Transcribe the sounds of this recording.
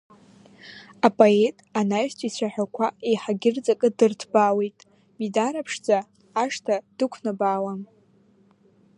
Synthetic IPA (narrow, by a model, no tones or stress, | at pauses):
apʼoetʼanajʃtʰʼit͡ɕʷʰaħᶣakʷʰaejħaɡʲɪrt͡sʼakʼɨdɨrtʰbawejtʼ | midaɾapʰʂd͡zaː | ʂtʰad̥ɨkʷʰnabaːwam